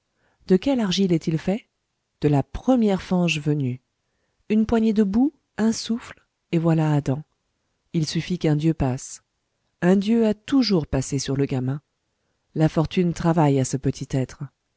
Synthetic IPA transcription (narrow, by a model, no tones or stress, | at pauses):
d̪əkʲɛlaʁʒilɛt̪ilfɛ | d̪̥əlapχəmjɛʁfɑ̃ʒvəny | ynpwaɲed̪əbu | ɛ̃sufl | evwalaːd̪ɑ̃ | ilsyfikɛ̃d̪jøpas | ɛ̃d̪jøat̪uʒuʁpasesyʁləɡʲamɛ̃ | lafɔʁt̪ynt̪χavajasəpət̪ʰit̪ɛt̪χ